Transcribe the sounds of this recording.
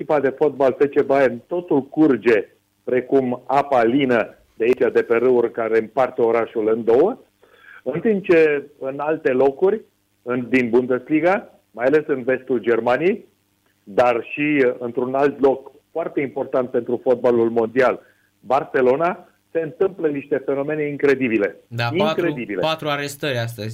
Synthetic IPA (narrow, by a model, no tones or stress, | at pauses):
ekʲipad̪e̞fo̞t̪̚balfet͡ʃe̞bajemt̪o̞t̪ulkurd͡ʒe̞ | pɾe̞kumapalinə | d̪eait͡ʃad̪e̞pe̞ɾɨurkaɾe̞mpart̪əo̞ɾaʃulɨnd̪o̞wə | ɨnt̪imp̚t͡ʃe̞ɨnalt̪e̞lo̞kurʲ | ɨnd̪inbund̪e̞sliɡa | majale̞sɨnve̞st̪uld͡ʒe̞rmanijej | d̪arʃiɨnt̪ɾunalt̪lo̞k | foart̪eimpo̞rt̪ant̪̚pe̞nt̪ɾufo̞t̪̚balulmo̞nd̪ial | barse̞lo̞na | se̞ɨnt̪ɨmpləniʃt̪e̞fe̞no̞me̞ne̞iŋkɾe̞d̪ibile̞d̪aiŋkɾe̞d̪ibileat̪ɾuaɾest̪əɾʲast̪əzʲ